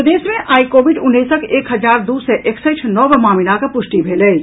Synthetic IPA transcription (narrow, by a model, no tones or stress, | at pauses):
d̪eːsmẽʔaːikoːʋɪɖʊnːeːsəkʰeːkɦɐd͡ʒaːɾd̪uːsɛʔeksət͡ʃʰnɔːbəmaːminakapʊʃʈibʱeːleː